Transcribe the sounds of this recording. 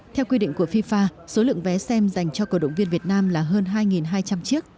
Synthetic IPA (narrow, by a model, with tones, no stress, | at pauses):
t̪ʰɛ˧wkwi˧ɗḭ˧ŋku˧˩əfi˧faː˧so˨˦lɨ̰˧˨əŋvɛ˨˦sɛ˧mza˨˩jŋ̟t͡ɕɔ˧kəː˧˩ɗə̰˧˨wŋ͡mvi˧ənvi˨˩ət̚naː˧mlaː˨˩ɦəː˧nɦaː˧jŋi˨˩nɦaː˧jt͡ɕa˧mt͡ɕi˦˥ək̚